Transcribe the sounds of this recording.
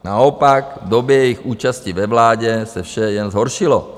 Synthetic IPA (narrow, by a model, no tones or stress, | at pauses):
naɔpaɡd̪obɛjɛjixuːt͡ʃasciʋɛʋlaːɟɛsɛfʃɛjɛnzɦɔɾʃilɔ